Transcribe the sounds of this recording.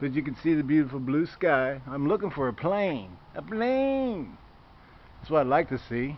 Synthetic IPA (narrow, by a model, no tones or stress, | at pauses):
kʌtɨkɨ̃nsiðɨbjʉɾəfl̩ˠblʉskaɪãɪ̃mlʊkɪ̃ŋfə˞ɨpʰl̥ẽɪ̃nʔəpʰl̥ẽɪ̃n | ðætswʌɾaɪdlaɪk̚tʰɨsi